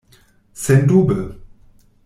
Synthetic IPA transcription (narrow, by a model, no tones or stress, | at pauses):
sɛnduːbə